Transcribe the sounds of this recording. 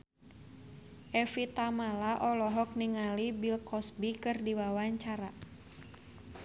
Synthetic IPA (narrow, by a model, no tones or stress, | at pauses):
ʔɛfit̪amalaʔɔlɔɦɔk̚niŋalibilkɔsbikɨrdiwawaɲt͡ʃaɾa